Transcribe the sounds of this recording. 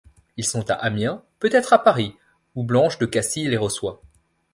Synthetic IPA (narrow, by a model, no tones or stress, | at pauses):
ilsɔ̃t̪a̰ʔamjɛ̃pøt̪ɛt̪χapaʁi | ublɑ̃ʃd̪əkasileʁəswa